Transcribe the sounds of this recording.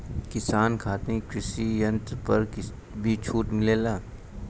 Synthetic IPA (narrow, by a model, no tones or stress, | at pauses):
kɪsaːnkʰaːt̪ẽkɾɪsijɐ̃nt̪ɾpɐɾ | bʱit͡ʃʰuːʈmɪleːlaː